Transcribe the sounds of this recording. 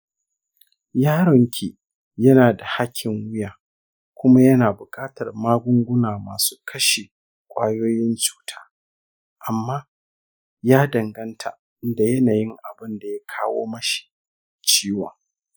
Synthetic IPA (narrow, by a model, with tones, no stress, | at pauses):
jaː˦ɾɔ˨ŋkʲʰe˨ | jɐ˦naː˨da˨ha˦kʲʰːɪ˨ŋwʊ˦jaː˨ | kʷʊ˦ma˦jɐ˦naː˨bʊ˨kʼaː˦tɐ˨rmaː˦ɡʷʊ˦ŋɡʷʊ˦naː˨maː˨su̥ː˦kʰɐ˦ʃe˨ | kʷʼaː˦joː˦jɪ˦nt͡ʃu̥ː˦tʰḁː˦ | ʔa˨mːaː˦ | jaː˦dɐ˨ŋɡɐ˦ntʰa̰˨ | ɪ˦da˨jɐ˦naː˨jɪ˦ŋʔa˨bɪ˦nda˨ja˦kʰaː˦wo̰ː˦mɐ˦ʃi̥˨ | t͡ʃiː˦wɔ˨ŋ